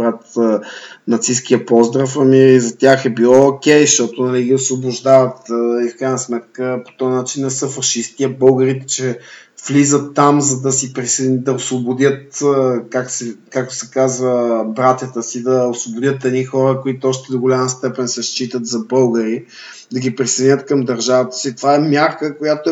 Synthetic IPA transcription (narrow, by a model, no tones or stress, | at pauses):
bɾat̪ | nɐt̪siskijəpɔzd̪ɾəfɐmiizɐt̪ʲjaxɛbilˠɔokʲɛjʃt̪ɔt̪onɐliɡiosvobʊʒd̪avət̪ifkɾajnəsmɛt̪̚kəpo̥t̪ɔjnat͡ʃinːɛsɤfɐʃist̪iɛbɤlˠɡəɾit̪ɛ̥t͡ʃɛflizət̪ːamzɐd̪ɐsipɾisid̪ɐosvobʊd̪ʲət̪ːkak̚t̪sɛkak̚t̪o̥sɛkazvəbɾat̪ʲət̪əsid̪ɐosvobʊd̪ʲət̪ːɛd̪nixɔɾəkʊit̪oɔʃt̪ɛd̪oɡolʲaməst̪ɛpɛnsɛʃt͡ʃit̪ət̪zɐbɤlˠɡəɾi | d̪ɐɡipɾisɛd̪inʲət̪̚kɐmd̪ɐɾʒavət̪ə̥sit̪ovaɛmʲjaɾkəkojat̪o